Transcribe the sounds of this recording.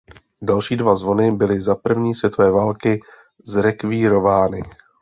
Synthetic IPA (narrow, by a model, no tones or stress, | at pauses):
dalʃiːdvazvo̞nɪbɪlɪzapr̩vɲiːsvjɛt̪ovɛːvaːlkɪ | zɾɛkviːɾo̞vaːnɪ